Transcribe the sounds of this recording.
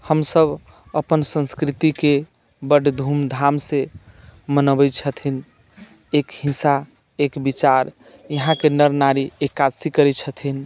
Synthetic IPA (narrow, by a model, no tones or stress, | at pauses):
həmsəb | əpənsə̃nskɾit̪ike | bəɖd̪ʱumd̪ʱamse | mənəbɛt͡ʃʰət̪ʰin | ekhĩsa | ekbit͡ʃaɾ | jəɦãkenəɾnaɾiekːad͡ʒsikəɾɛt͡ʃʰət̪ʰin